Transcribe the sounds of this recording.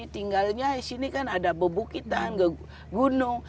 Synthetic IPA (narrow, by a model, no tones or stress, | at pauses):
it̪iŋɡalɲasinikanadabəbukit̪anɡə | ɡunʊŋ